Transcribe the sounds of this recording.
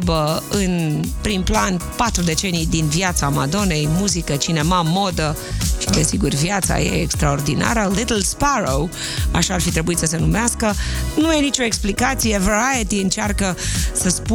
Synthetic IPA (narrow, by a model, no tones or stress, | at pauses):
bəɨnpɾimplanpat̪ɾud̪e̞t͡ʃe̞nijd̪invjat̪samad̪o̞ne̞jmuzikət͡ʃine̞mamo̞d̪əʃid̪e̞siɡurvjat̪sa̰je̞̰ːkst̪ɾao̞rd̪ina̰ɾəlit̪l̩spaɾow | a̰ʃaːrfit̪ɾe̞buit̪səse̞numeaskənuje̞nit͡ʃo̞eksplikat̪sijeveɾajət̪iɨnt͡ʃarkəsəspu